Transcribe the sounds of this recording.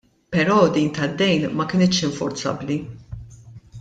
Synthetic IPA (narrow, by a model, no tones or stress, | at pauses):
pɛɾɔːd̪iːnt̪ɐd̪ːɛjnmɐkɪnɪt̪ʃɪɱfɔɾt͡sɐ̰bːli